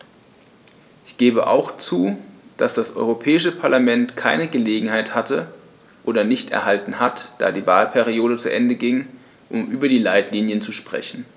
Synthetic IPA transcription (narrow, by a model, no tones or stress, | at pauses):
ʔɪçɡ̥eːbəʔa̰ʊxt͡suːd̥asd̥asʔɔ̰ʏʁopʰɛːɪʃəpʰaɐlamɛntkʰaɪnəɡəleːɡŋ̩haɪthatʰə | ʔoːdɐnɪçtɛ̰ɐɦaltn̩hatd̥a̰ːdiːvaːlpʰɛʁioːɾət͡suʔɛndəɡɪŋ | ʔʊmʔyːbɐdiːlaɪtliːnjənt͡suʃpʁ̥ɛ̰çn̩